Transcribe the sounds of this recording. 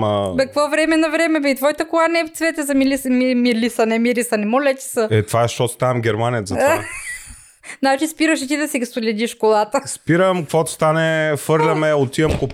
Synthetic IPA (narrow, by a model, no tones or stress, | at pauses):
əbɛkɐkvɔvɾɛmɛnɐvɾɛmɛbɛit̪vɔjit̪əkolˠanɛft̪svɛt̪ɛzɐmilʲismimilʲisɐnɛmilisɐnɛmolʲɛt̪ʲi̥səɛt̪vaɛʃt̪ɔt̪st̪anɛmɡʲɛɾmanijət̪zɐt̪va | znat͡ʃispiɾəʃɛt̪id̪ɐsiɡsolʲɛd̪iʃkolˠat̪əspiɾəmkɐkvɔt̪ʊ̥st̪anɛfɤɾlɐmɛot̪iɐmko